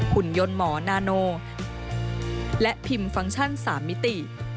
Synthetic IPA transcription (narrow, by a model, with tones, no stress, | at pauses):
hʰu˨˩˦njo˧nmɔː˩˦naː˧noː˧ | lɛ˦˥ʔpʰi˧mfa˧ŋt͡ɕʰa˥˩nsaː˩˦mːi˦˥t̪i˨˩